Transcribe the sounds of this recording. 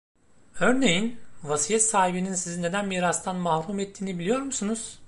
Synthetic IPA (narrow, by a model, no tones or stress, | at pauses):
øɾne̞jinvasijɛt̪saːhibininsizinːe̞d̪ænmiːɾast̪ʰanmahɾumet̪ʰːiːnibilʲijo̞ɾmusunuz̥